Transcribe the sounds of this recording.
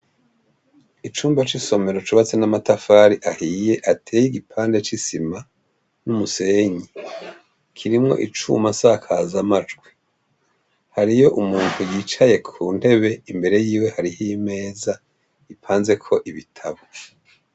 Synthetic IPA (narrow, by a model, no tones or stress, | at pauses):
it͡ʃuːmbat͡ʃiso̞me̞ɾot͡ʃuβat͡se̞namatafaːɾiʔahiːje̞ʔatʰeːjiɡipʰaːnde̞t͡ʃisima | numuse̞ːɲi | kʰiɾimŋo̞̰ʔit͡ʃṵmasakʰazamad͡ʒɡwi | haɾijo̞ʔumuːn̥hujiːt͡ʃaje̞kʰuːn̥e̞βe̞imbe̞ɾe̞jiːwe̞haɾihime̞ːza | ipʰaːnze̞kʰo̞ʔiβitʰaβo